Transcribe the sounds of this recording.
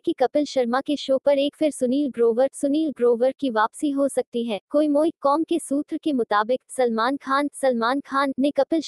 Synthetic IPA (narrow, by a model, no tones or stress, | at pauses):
kikɐpɪlʃɐɾmakeʃoːpɐɾeːkfʰɪɾsʊniːlɡɾoːʋəɾsʊniːlɡɾoːʋəɾkiʋaːpsiɦosɐk̚t̪iɦɛːkoːimoːɪkːɔːmkesuːt̪ɾkemʊt̪aːbɪksɐlmaːnkʰaːnsɐlmaːnkʰaːnːekɐpɪl